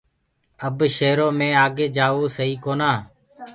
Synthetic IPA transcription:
əbʃeːɾoːmẽːaːɡeːd͡ʒaːʋoːsəiːkoːnaː

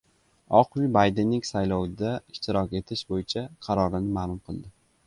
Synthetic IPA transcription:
ɒqmɪbajd̪enːɪŋsajlɒwd̪aɪʃt̪ɪɾɒkʲe̞t̪ʰɪʃbojɪt͡ʃʰaqʰɑɾɒɾɪnɪmaːlˠʊmqʰɨlˠd̪ɪ

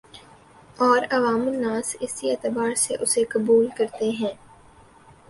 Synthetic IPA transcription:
ɔːɾɐʋaːmɪlːãːsɪsiɛːt̪ɪbaːɾseʔʊsekɐbuːlkɐɾt̪eɦɛ̃ː

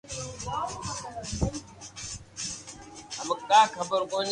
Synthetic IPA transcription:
ɦəmkaːkʰəbəɾkõːn

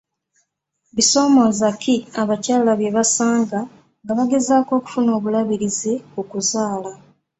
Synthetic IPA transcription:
βiso̞ːmo̞ːzakiaβacaːlaβje̞βasaːŋɡa | ŋɡaβaɡe̞zaːko̞ːku̥funo̞ːβulaβiɾizeokuzaːla

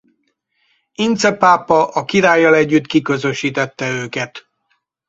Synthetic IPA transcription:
int̪sɛpaːpːɒʔɒkiɾaːjːɒlɛɟːyt̪kikø̞zø̞ʃiːt̪ɛt̪ːɛøːkɛt̪

